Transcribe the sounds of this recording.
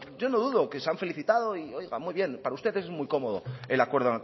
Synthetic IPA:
ɟ͡ʝo̞noðuðo̞ke̞seaɱfe̞liθit̪aðo̞io̞jɣa̰mujβ̞je̞npaɾaust̪e̞ðe̞s̬mujko̞mo̞ð̞o̰e̞lakwe̞ɾðona

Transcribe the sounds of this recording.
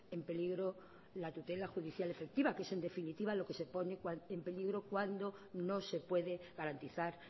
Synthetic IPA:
e̞mpe̞liɣɾo̞ | lat̪ut̪e̞laxuðiθjale̞fe̞k̚t̪iβake̞se̞nd̪e̞finit̪iβalo̞ke̞se̞po̞nekwaempe̞liɣ̞ɾo̞kwand̪o̞no̞se̞pwe̞ðe̞ɣaɾant̪iθaɾ

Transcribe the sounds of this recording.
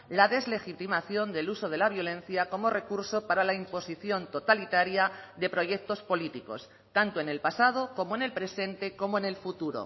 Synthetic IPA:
laðe̞zle̞xit̪imaθjo̞nd̪e̞luso̞ð̞e̞laβ̞jo̞lẽ̞n̟θjako̞mo̞re̞kuɾso̞paɾalaimpo̞siθjo̞nt̪o̞t̪alit̪aɾjaðe̞pɾo̞ʝe̞k̚t̪o̞spo̞lit̪iko̞̰s | t̪ant̪oe̞ne̞lpasað̞o̞ko̞moe̞ne̞lpɾe̞sẽ̞nt̪e̞ko̞moene̞lfut̪uɾo̰

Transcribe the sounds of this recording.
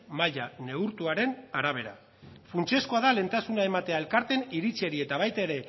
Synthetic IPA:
maʎane̞uɾt̪uaɾe̞naɾaβ̞e̞ɾa̰ | funt͡ʃe̞skoaðale̞nt̪asunae̞mat̪e̞ae̞lkaɾt̪e̞niɾit͡sie̞ɾie̞t̪aβ̞ajt̪eɾe̞

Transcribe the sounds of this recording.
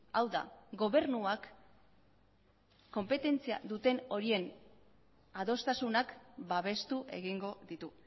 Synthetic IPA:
awða̰ɡo̞βe̞ɾnuak | o̞mpe̞t̪e̞nt͡sia̰ðut̪e̞no̞ɾie̞n | aðo̞st̪asunakbaβ̞e̞st̪uʔe̞̰ɣiŋɡo̞ðit̪u

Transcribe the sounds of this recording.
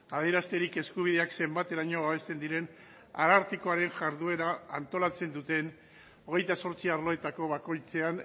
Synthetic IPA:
aðieɾast̪e̞ɾike̞skuβ̞iðe̞akse̞mbat̪e̞ɾaɲo̞βaβ̞e̞st̪e̞nd̪iɾe̞n | a̰ɾaɾt̪iko̞aɾe̞nʝaɾð̞ue̞ɾaːnt̪o̞lat͡se̞nd̪ut̪e̞n | o̞ɣ̞e̞jt̪aso̞ɾt͡siaɾlo̞e̞t̪ako̞βako̞jt͡se̞an

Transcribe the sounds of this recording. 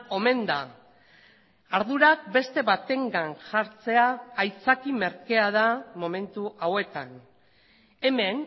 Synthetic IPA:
o̞me̞nd̪a | ɾðuɾak̚be̞st̪e̞βat̪e̞ŋɡanʝaɾt͡se̞aːjt͡sakime̞ɾke̞að̞amo̞me̞nt̪uʔawe̞t̪an | e̞me̞n

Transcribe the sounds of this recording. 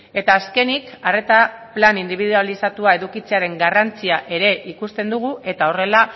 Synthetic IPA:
e̞t̪aːske̞nikare̞t̪aplanind̪iβiðualisat̪uae̞ðukit͡se̞aɾe̞ŋɡarant͡siaʔe̞ɾe̞ʔikust̪e̞nd̪uɣ̞uʔe̞t̪ao̞re̞la

